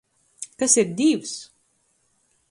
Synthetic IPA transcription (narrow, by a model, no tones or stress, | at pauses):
kæsiɾd̪iws